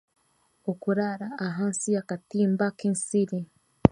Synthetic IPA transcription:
okuɾaɾaːɦansiakatiːmbakensiɾi

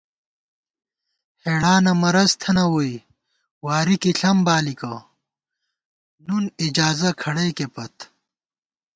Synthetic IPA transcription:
heːɽaːnɐmɐɾɐzt̪ʰɐnɐwoi | waːɾikiɬɐmbaːlikɐ | nunid͡ʑaːzɐkʰɐɽɐjkepɐt̪

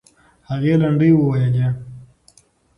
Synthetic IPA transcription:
haɣelaɳɖəjwəwajale

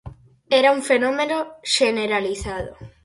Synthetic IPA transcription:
ɛɾauɱfenõmẽnoʃeneɾaliθaðʊ̰

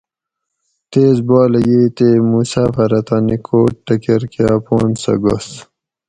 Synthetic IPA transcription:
t̪eːzbaːlɐjeːt̪emusaːfɐɾɐt̪aːnikʰoːʈ̚ʈɐkeɾkaːpoːnsɐ̰ɡo̰s

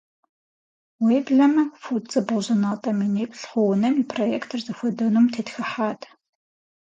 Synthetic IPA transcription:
weːbɮɐmɐfut͡sʼɨboʑɐnaːtʼɐmineːkʷʰʼɬχʷɔwnɐmipʰrojeːktʰɨrzɨxʷɔdɐnuːmtʰeːtxɐħaːtʰʼ

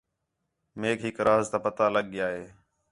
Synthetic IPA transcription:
meːkɦɪkɾaːzt̪aːpət̪aːləɠɪjaːɦeː

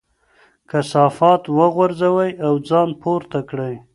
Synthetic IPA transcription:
kasɑfɑt̪wəɣwaɾzawəjawd͡zɑnpoɾt̪akɽəj

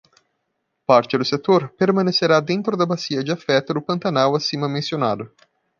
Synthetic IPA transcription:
paɾt͡ʃɪd̪ʊset̪oɾpeɾmɐ̃neseɾad̪ẽnt̪ɾʊd̪ɐbasiɐd͡ʒɪafɛt̪ʊd̪ʊpɐ̃nt̪anawasĩmɐmẽsionad̪ʊ

